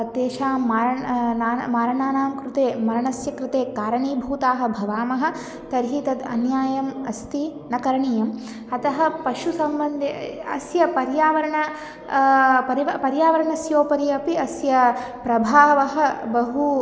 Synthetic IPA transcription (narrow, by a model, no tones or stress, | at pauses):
t̪eːʃaːmaːɾɐnaːnmaːɾɐɳaːnaːmkɾɪt̪eːmɐɾɐɳɐsjɐkɾɪt̪eːkaːɾɐɳiːbʱuːt̪aːɦɐ̆bʱɐʋaːmɐɦɐ̆ | t̪ɐɾɦiːt̪ɐd̪ɐ̰njaːjɐmɐst̪inɐkɐɾɐɳiːjɐm | ɐt̪ɐɦɐpɐʃusɐmbɐnd̪ʱiɐsjɐpɐɾjaːʋɐɾɐɳɐ | pɐɾiʋɐpɐɾjaːʋɐɾɐɳɐsjoːpɐɾiɐpiɐsjɐpɾɐbʱaːʋɐɦɐ̆bɐɦu